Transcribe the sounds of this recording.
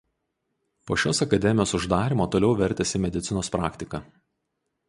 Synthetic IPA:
poːʃʲoːsɐkɐd̪ʲɛmʲɪjoːsʊʒd̪ɑːɾʲɪmoːt̪oːlʲɛʊʋʲɛɾʲt̪ʲɛsʲɪmʲɛd̪ʲɪt̪sʲɪnoːspɾɑːkt̪ʲɪkɐː

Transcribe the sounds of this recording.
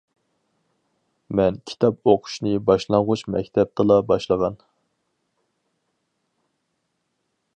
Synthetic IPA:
mɛnkʲʰi̥t̪ʰɑpoqʰʊ̥ʃnɨbɑʃlˠɑɴʁʊt͡ʃmɛ̰kʲt̪ʰɛp̚t̪ʰɨlˠɑbɑʃlˠəʁɑn

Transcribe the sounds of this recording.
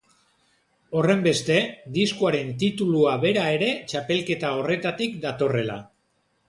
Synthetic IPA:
o̞re̞mbe̞st̪e̞d̪iskuaɾe̞nt̪it̪uluaβe̞ɾae̞ɾe̞t͡ʃape̞lke̞t̪ao̞re̞t̪at̪ikd̪at̪o̞re̞la̰

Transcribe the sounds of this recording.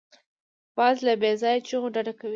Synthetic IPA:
b̥ɑzlabezɑjat͡ʃəɣoɖaɖakawi

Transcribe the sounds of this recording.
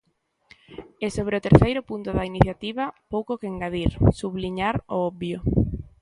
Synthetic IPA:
ɛsoβ̞ɾeot̪eɾθejɾʊpunt̪ʊðainiθjat̪iβapowkokeeŋɡaðiɾsuβliɲaɾo̰ɔbjo

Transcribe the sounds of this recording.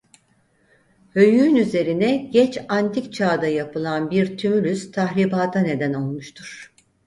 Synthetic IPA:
hø̞jyːnyze̞ɾinɛɟɛt͡ʃant̪ʰikt͡ʃʰaːd̪ajapɯlˠanbiɾt̪ʰymyɾʲyst̪ʰaɦlʲibaːt̪ʰane̞d̪æno̞lˠmuʃt̪ʰuɾ̥

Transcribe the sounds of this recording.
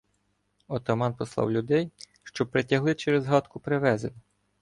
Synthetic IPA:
ɔt̪ɔmɑnpɔslˠɑ̰wlʲʊd̪ɛj | ʃt͡ʃɔpɾetʲɐɦlˠɪt͡ʃeɾezɦɑt̪kʊpɾeʋɛzenʲɪ

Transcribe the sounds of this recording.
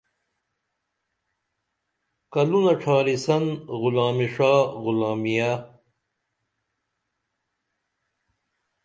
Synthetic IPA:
kɐlunɐʈ͡ʂʰaːɾisɐnɣʊlaːmiʂaːɣʊlaːmija

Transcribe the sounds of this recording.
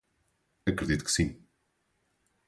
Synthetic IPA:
ɐkɾɨðit̪u̥kɨ̥sĩ

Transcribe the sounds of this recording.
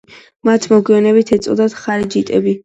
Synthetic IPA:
mat̪ʰmɔɡiɔnɛbit̪ʰɛt̪sʼɔ̰d̪at̪χaɾid͡ʒit̪ʼɛbi

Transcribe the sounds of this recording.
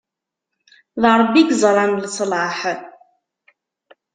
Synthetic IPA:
ðɑɾˤbːiɡzˤɾˤɑnləsˤlɑħ

